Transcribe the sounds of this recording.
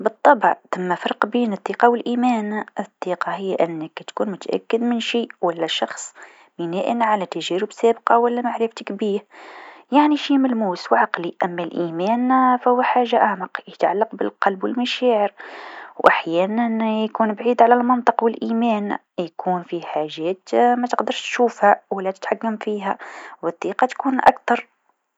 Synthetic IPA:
bɨt̪ˤːɑbʕt̪amːæfɑɾˤqbiːnɨt̪ˤːiːqɑwɪlʔiːmæːnɪt̪ˤːiːqɑhɪjːʔɪnːəkt̪kuːnmʊt̪aʔa̰kːɪd̪mɪnʃiːwælːæʃɑxsˤ | mɪnæːʔɪnʕalæt̪æʒæːɾəbsæːbqɑwælːæmaʕɾɪft̪əkbiːhjaʕniʃimælmuːswʕɑqliʔæmːælʔiːmæːnfæhʊwːaħaːʒːaʔaʕmɑqjət̪ʕa̰lːɑqbəlqɑlbwəlmæʃæːʕəɾwʔaħjæːnænjkuːnbʕiːd̪ʕalælmɑnt̪ˤəqwɪlʔiːmæːn | jkʰuːnfiħaʒæːt̪mæt̪əqd̪ɑɾˤʃt̪ʃuːfhæwælːæt̪ɪt̪ħakːamfiːɦæwəd̪ˤːiːqɑt̪kuːnʔa̰kt̪ɑɾˤ

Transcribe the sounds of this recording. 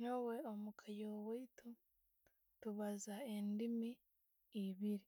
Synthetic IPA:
nowe̞omukʰajoweitu | tuβazaendimiː | βiɾi

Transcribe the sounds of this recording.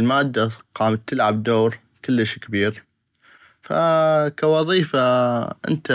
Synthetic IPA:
lmaːd̪ːaqɑːmat̪ːəlʕab̚d̪oːɾ | kəlːəʃkabiːɾ | fa̰kawɑðˤiːfaʔɪ̰nt̪a

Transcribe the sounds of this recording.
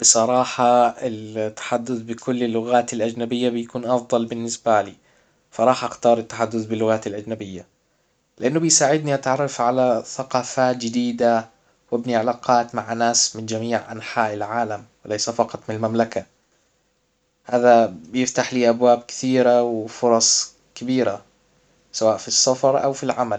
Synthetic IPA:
b̥ɨsˤɑɾˤɑːħɑɪlt̪ːḁħad̪ːʊθbɪkʊlːɪlːʊɣaːt̪alʔad͡ʒnabɪjːabɪjkuːnʔɑfd̪ˤɑlbɪnːɪsbaliː | fɑɾˤɑːħʔaxt̪ɑːɾˤɪt̪ːḁħad̪ːʊθbɪlːʊɣaːt̪alʔad͡ʒnabɪjːa | lɪʔanːʊbɪjsaːʕɪd̪niʔat̪ʕɑrˤːɑfʕalaθaqɑːfaːt̪̚d͡ʒɪd̪iːd̪a | wɪbniʕalaːqʰɑːt̪maʕnaːsmɪnd͡ʒamiːʕʔa̰nħaːʔɪlʕaːlamwɪlajsafɑqɑt̪ˤmɪnalmamlaka | haːðabɪjɪft̪aħliːʔabwaːbkɪ̥θiːɾawɪfʊɾˤɑsˤ | kabiːɾa̰ | sawaːʔfisˤːɑfɑɾˤʔa̰wfilʕamal

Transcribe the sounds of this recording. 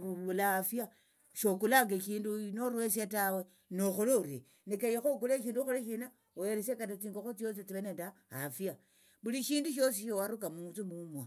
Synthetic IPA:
uulaafja | ʃokulaŋɡeʃiːndunoɾwesjatawe | noxuloɾe | nekajexokuleʃiːnduxuleʃina | oeɾesekatat͡siŋɡoxot͡sjosit͡siβenenda | afija | βuliʃiːnduʃ̬o̞siʃowaɾukamunt͡sumumwa

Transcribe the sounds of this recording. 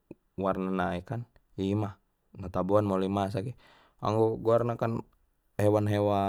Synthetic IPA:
warnanaikan | imah | nat̪abuanmolimas̬aɡɛ | a̰ŋɡoɡuarnakan | hewanɦewa

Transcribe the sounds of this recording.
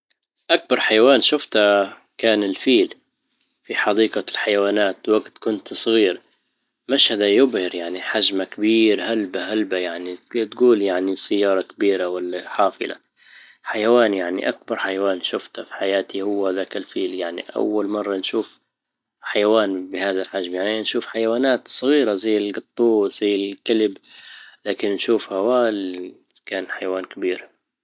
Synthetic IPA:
ʔak̚bɑɾˤħajawaːnʃʊft̪a | kaːnɪlfiːl | fiħɑd̪iːqalħajawaːnaːt̪waɡt̪kʊnt̪sˤɣiːɾ | maʃhad̪ajʊbhɪɾjaʕniħaʒmakabiːɾɦalbaɦalbajaʕnit̪ɡuːljaʕnisajːɑːɾˤɑkabiːɾawalːaħɑːfɨ̰la̰ | ħajawaːnjaʕnḭʔak̚bɑɾˤħajawaːnʃʊft̪hafi̥ħajaːt̪ʰihʊwːaðaːkalfiːljaʕnḭʔa̰wːalmɑrˤːɑnʃuːf | ħajawaːnbɪhaːðalħaʒmjaʕninʃuːfħajawaːnaːt̪sˤɣiːɾazajːɪlɡɑt̪ˤːuːz̥ajːɪlkalɪblaːkɪnnʃuːfhawaːl | kaːnħajawaːnkabiːɾ

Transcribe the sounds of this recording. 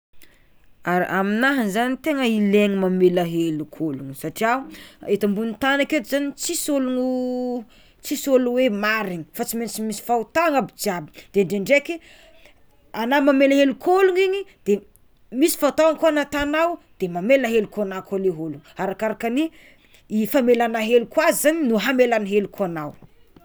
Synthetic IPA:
aɾiʔaminaɦinzanit̪eŋəileŋimamelaɦelukʰoluŋsaʈ͡ʂiauet̪ambunit̪anaket̪uzanit͡sisoluŋ | t͡sisoluwemaɾiɲi̥fat͡simet͡simisi̥faut̪aaŋabid͡ziabid̪̥eɳɖ͡ʐeɳɖ͡ʐeki | anamamelaɦelukʰoluŋiɲid̪̥e | misi̥faut̪aaŋkanat̪anawd̪̥emameləɦelukonakoleɦoluŋaɾakaɾakani | ifamelanaɦelukwazizaninuɦamelanɦelukuanaw

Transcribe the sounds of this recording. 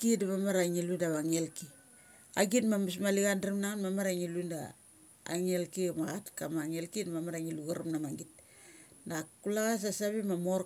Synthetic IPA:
kidamamaɾaŋiludaβaŋielki | aɡitmamus̬maliɡandaɾimnaŋanmamaɾaŋilunda̰ː | ŋelkimaɣatkamaŋelkidamamaɾaŋiluɡaɾumnamaɡit̚ | dakulaɣas̬asaβimamo

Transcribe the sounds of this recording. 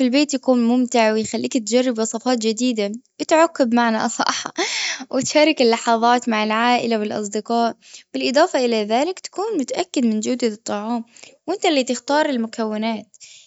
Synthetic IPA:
filbeːt̪jakuːnmʊmt̪ɪʕwɪjxalːiːkt̪d͡ʒarˤːɪbwɑsˤɑfɑːt̪d͡ʒɪd̪iːd̪awɪt̪ʕʊkːɪbmaʕnaʔsˤɑ̰ʔħɑ̰wʔɪt̪ʃaːɾˤɪkɪlːɑħɑðˤɑːt̪maʕɪlʕaːʔɪlawɪlʔɑ̰sˤd̪ɪqɑːʔb̥ɪlʔɨd̪ˤɑːfɑʔɪlaðaːlɪkt̪ḁkuːnmʊt̪aʔakːɪd̪mɪnd͡ʒʊd̪ɪɨt̪ˤːɑʕɑːmwʔɪnt̪alːiːt̪ɪxt̪ɑːɾˤɪlmʊkawːɪnaːt̪

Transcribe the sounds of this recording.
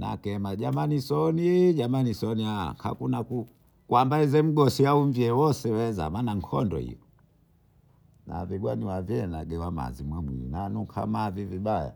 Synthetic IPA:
na̰kɛmaʄamanisɔniɟamanisɔnia̰kʰa̰kunaku | kwambaizɛm̩ɡɔsiauɱviɛwɔsɛwɛza̰manaŋkʰɔndɔ̰hḭjɔ | na̰viɡwaniwavjɛnaɡɛwama̰zimwamwḭḭnanukʰa̰maviviɓaja̰

